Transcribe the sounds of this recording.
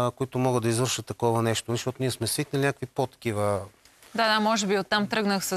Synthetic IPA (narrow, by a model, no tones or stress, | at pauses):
koit̪omɔɡəd̪ɐizvəɾʃət̪ːɐkɔvɐnɛʃt̪onɐʃt̪ɔt̪oniɛsmɛsviknɐlinʲakvipot̪ːɐ̥k̟ivə | d̪ad̪amɔʒɛbiot̪ːamt̪ɾɤɡnəxsə